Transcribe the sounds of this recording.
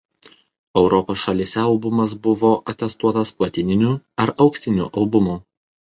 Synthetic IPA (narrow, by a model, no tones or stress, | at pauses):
ɛʊɾɔpoːsʃɐlʲiːsʲɛɐlˠbʊmɐs̬bʊʋoːʔɐt̪ʲɛst̪uɔt̪ɐspɐt̪ʲɪnʲɪnʲuːɐɾɐʊksʲt̪ʲɪnʲṵːʔɐlˠbʊmuː